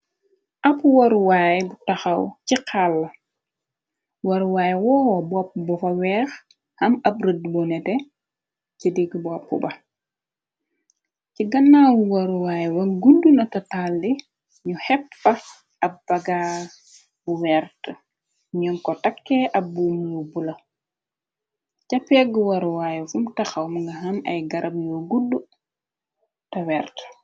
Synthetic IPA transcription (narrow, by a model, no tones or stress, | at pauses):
ʔɐpuwɐɾuwaːjbutɐxɐwciqʰalːɐ | wɐɾwaːjwɔːwbɔp̚ːbɔfɐwɛːx | hɐmɐp̚rədbɔnɛtɛ | cidiɡbɔpːṵbɐ | ciɡɐnːaːwuwɐɾuwaːjwɐɡudunɐtɐtalːi | ɲuhɛpːɐ | ɐb̥ɐɡa | buwɛɾtə | ɲɔnkɔtakːɛʔɐbuːmjubulɐ | cɐpːɛɡəwɐɾuwaːjɛfumtɐxɐwmɐŋɡɐɦɐmɐ̰jɡɐɾʔɐmjɔɡudːu | tɐwɛɾt